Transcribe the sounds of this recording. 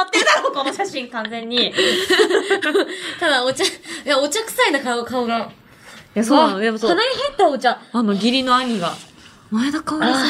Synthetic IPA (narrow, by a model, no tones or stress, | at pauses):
at̪ːenaɾokonoɕaɕĩŋkãnd͡zẽ̞ɲ̟ːi | t̪ad̪aot͡ɕajaot͡ɕakɯ̥sainakaɯkaoɡã | jasoːnaoj̪amsoanaɲʲiɦẽt̪ːaot͡ɕaanoɡʲiɾʲino̞aɲ̟iɡa | maed̪akaoa